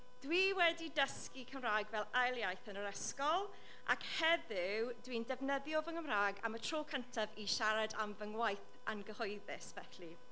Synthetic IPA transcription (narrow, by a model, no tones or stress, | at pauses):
d̥wiːwɛdidəskikʰəmraːɡvɛlˠajlˠjajθənəɾɛskɔlˠ | ʔa̰khɛðɪwdwindɛvnəðjɔvəŋəmraːɡa̰mətʰr̥oːkʰəntʰaviʃaɾadamvəŋwajθ | anɡəhɔjðɪsvɛɬi